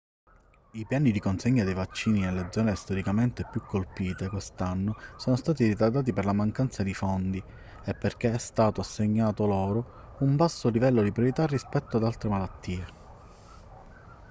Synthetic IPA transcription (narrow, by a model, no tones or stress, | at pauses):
ipjaːnid̪ikonseɲːad̪ejvat͡ʃːiːninelːed̪zɔːnest̪oɾikament̪epjukʰːolpiːt̪ekwest̪anːosoːnost̪aːt̪iɾit̪ad̪aːt̪̬iperlamaŋkant̪sad̪ifond̪i | epːerk̟eɛst̪aːt̪oasːeɲːaːt̪oloːɾo | umbasːolivɛlːod̪ipɾjoɾit̪arːispɛt̪ːoad̪alt̪ɾemalat̪ːiːe